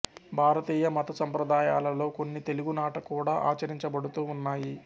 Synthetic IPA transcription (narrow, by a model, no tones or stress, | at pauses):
bʱaːɾɐt̪iːjɐmɐt̪ɐsɐmpɾɐd̪aːjaːlɐlo̞ːko̞nːit̪e̞luɡunaːʈɐkuːɽaːʔa̰ːt͡ʃɐɾiɲt͡ʃɐbɐɽut̪uːunːaːji